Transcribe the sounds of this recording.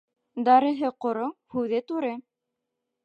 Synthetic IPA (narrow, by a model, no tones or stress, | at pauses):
d̪ɑɾɤ̆ɦɤqŏɾowhʉðɘt̪ʉɾɘ